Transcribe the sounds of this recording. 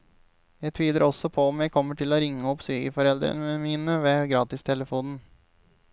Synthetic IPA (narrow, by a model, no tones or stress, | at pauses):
jæɪt̪ʰʋiːləɾʔɔsɔpʰɔɔmjæɪkʰɔmːəʈʰɪloɾɪŋːəɔpsyːkə̰fɔɾɛld̪ɾə̰nəəmiːnəʋeːɡɾɑːt̪ɪst̪ʰɛləfuːnn̩